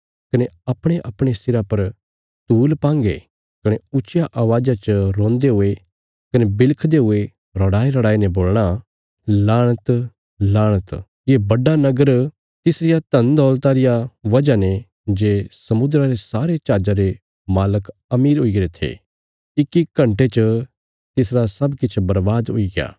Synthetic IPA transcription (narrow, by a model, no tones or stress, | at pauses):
kɐneɐpɽ̃eʔɐpɽ̃esɪɾapɐɾ | t̪uːlpãːŋɡḛ | kɐɽ̃eʊt͡ʃɪjaʔaːʋaːd͡ʒat͡ʃəɾõːnd̪eɦʊe | kɐnebɪlkʰd̪eɦʊe | ɾɐɽaːiɾɐɽaːinɛboːlɽ̃a | laːɽ̃ət̪ | laːɽ̃ət̪ | ebɐɖanɐɡəɾ | t̪ɪsɾɪjat̪ɐ̃nd̪ɔːlt̪aɾɪjaʋɐd͡ʒanẽ | d͡ʒeːsɐmʊd̪ɾaɾesaːɾet͡ʃaːd͡ʒaɾe | maːləkɐmiːɾɦʊiɡɐɾet̪ʰḛ | ɪkikɐ̃ɳʈet͡ʃə | t̪ɪsɾasɐbkɪt͡ʃʰbɐɾʋaːd̪ʊ̰iɡja̰ː